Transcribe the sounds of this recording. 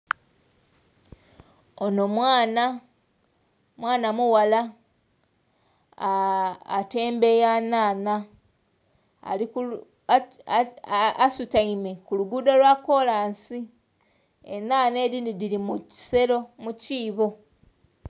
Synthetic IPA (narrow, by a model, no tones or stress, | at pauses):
ono̞mwaːna | mwaːnamuwala | te̞ːmbe̞jaːnaːna | lik | sutaime̞kuluɡudolwako̞laːnsi | ḛnaːne̞ːɾindidiɾimui̥se̞ɾo̞muciːβo̞